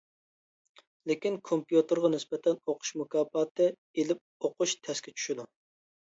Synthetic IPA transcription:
lekʲinkʰompjut̪ɨɾʁɑnɪsbɛt̪ʰɛnoqʰʊ̥ʃmukɑːpɑːt̪ʰɨ | elɪp̚oqʰʊʃt̪ʰɛskʲɛt͡ʃʰy̥ʃid̪u

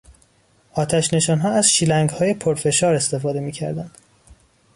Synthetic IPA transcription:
ʔɒːt̪ʰæʃne̞ʃɒːnɦɒːæz̥ʃiːlæŋɡhɒːje̞pʰoɾfe̞ʃɒːɾe̞st̪e̞fɒːd̪e̞miːcʰæ̰ɾd̪ænd̪̥

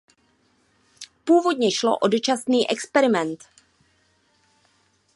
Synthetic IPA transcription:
puːvo̞dɲɛʃlo̰ʔodot͡ʃasniːʔɛkspɛɾɪmɛnt̪

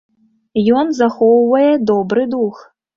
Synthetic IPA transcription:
jɔnzaxɔwvɐjɛd̪ɔbɾɨd̪ux

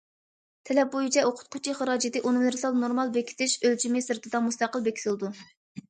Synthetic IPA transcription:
t̪ʰɛlɛp̚bojit͡ʃʰɛoqʰʊ̥t̪̚qʰʊt͡ʃʰiχəɾɑːd͡ʒid̪ɨʔonɨmɨɾsɑlˠnoɾmɑlˠbekʲʰi̥t̪ɪʃølt͡ʃʰimɪsɨɾt̪ɨd̪ɑmust̪ɑqəlˠbekʲʰi̥sɨlˠd̪u

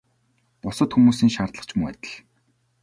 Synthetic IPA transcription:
pʊsə̆t̪xumuːsiːŋʃart̪ɮə̆χt͡ɕmuŋæ̰t̪ʲɪ̆ɮ

